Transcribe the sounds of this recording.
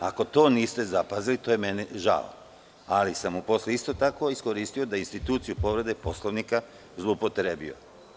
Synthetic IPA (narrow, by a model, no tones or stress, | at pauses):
a̰ko̞t̪o̞ːniːst̪e̞zapazilit̪ojemeniʒa̰lo̰ | alisamupo̞sleist̪o̞t̪ako̞isko̞ɾiːst̪io̞d̪ainst̪it̪uːt̪sijupoʋɾe̞d̪e̞po̞slˠoʋnika | zlˠoupo̞t̪ɾebḭo̞̰